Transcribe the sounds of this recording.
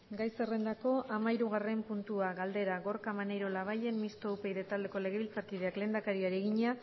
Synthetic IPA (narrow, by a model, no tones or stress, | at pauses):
ɡajse̞re̞nd̪ako̞ʔamaiɾuɣ̞are̞mpunt̪uaɣald̪e̞ɾaɣo̞ɾkamanejɾo̞laβ̞aje̞nmist̪o̞upejðet̪ald̪e̞ko̞le̞ɣ̞e̞βilt͡saɾkið̞e̞akle̞ːnd̪akaɾiaɾieɣ̞iɲea